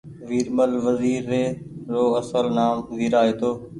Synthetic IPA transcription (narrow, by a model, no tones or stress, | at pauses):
ʋiːɾməlʋəziːɾːeɾoːɐsəlnaːmziːɾaːɦeːt̪oː